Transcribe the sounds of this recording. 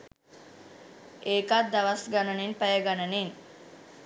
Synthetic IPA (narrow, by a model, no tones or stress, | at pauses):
eːkat̪d̪aʋɐsɡanənenpæjəɡanənen